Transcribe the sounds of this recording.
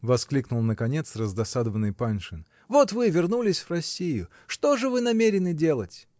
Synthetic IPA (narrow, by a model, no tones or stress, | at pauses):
vɐsklʲiknʊlˠnəkɐnʲe̞t̪srəzd̪ɐsad̪əvənːɨjpanʲʂɨn | vot̪vɨvʲɪrnulʲɪsʲvrɐsʲːijʊ | ʂt̪o̞ʐɨvɨnɐmʲeɾʲɪnɨdʲe̞lˠətʲ